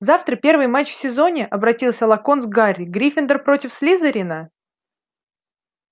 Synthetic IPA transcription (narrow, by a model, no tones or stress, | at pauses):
zaft̪ɾəpʲe̞rvɨjmat͡ɕfʲsʲɪzo̞nʲɪʔɐbɾɐtʲilˠsʲəlˠɐkonzɡaɾʲɪɡɾʲifʲɪnd̪ərpɾo̞tʲɪfslʲizəɾʲinə